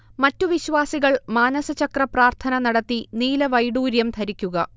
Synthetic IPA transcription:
mɐtːuʋiɕʋaːsiɣɐɭmaːnɐsɐt͡ɕɐkrɐpraːrt̪ʰɐnɐnɐɽɐt̪ːiniːlɐʋɐjɽuːɾjɐmt̪ʰɐɾikʲːuɣɐ

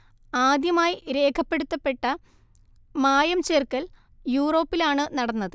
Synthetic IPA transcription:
aːd̪jɐmaːjiɾe̞ːkʰɐpːe̞ɽut̪ːɐpːe̞ʈːɐ | maːjɐmt͡ɕeːrkɐl | juːro̞ːpːilaːɳɨnɐɽɐnːɐðɨ

